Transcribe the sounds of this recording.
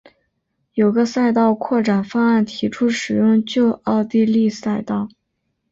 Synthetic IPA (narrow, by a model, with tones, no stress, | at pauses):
jo˨˩ʊɡə˧sa˥˧ɪt̪ɑ˥˧ʊkʰwɔ˥˩ʈ͡ʂa˨˩nfa˥a˥˩nt̪ʰi˧˥ʈ͡ʂʰu˥ʂɻ̩˨˩jʊ˥˧ŋt͡ɕjo˥˧ʊʔɑ˥˧ʊt̪i˥˧li˥˧sa˥˧ɪt̪ɑ˥˩ʊ